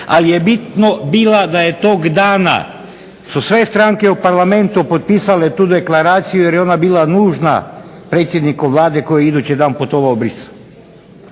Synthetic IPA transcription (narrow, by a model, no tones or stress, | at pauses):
a̰lijebit̪nobiːlad̪ajet̪oɡd̪aːna̰ | susʋe̞st̪ɾaŋke̞upaɾlame̞nt̪upot̪̚piːsalet̪uːd̪e̞klaɾaːt̪sijujeɾjeo̞nabiːlanuːʒna̰ | pɾet̪sʲje̞d̪nikoʋlˠaːd̪eko̞jjeid̪ut͡ʃid̪aːnpot̪o̞ʋaobɾis